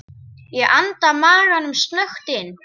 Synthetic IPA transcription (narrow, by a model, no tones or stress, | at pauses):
jɛʔant̪amaːranʏmst̪nœxt̪ɪn